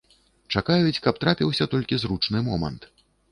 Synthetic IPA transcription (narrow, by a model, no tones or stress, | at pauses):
t͡ʂakajut͡sʲkɐp̚t̪ɾapʲiwsʲɐt̪ɔlʲkʲizɾut͡ʂnɨmɔmɐ̰nt̪